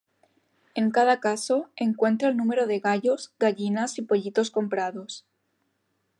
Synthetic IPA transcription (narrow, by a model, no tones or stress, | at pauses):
e̞ŋkað̞akasoe̞ŋkwe̞nt̪ɾaelnũme̞ɾoðe̞ɣaʎozɡaʎinasipo̞ʎit̪o̞sko̞mpɾaðo̞s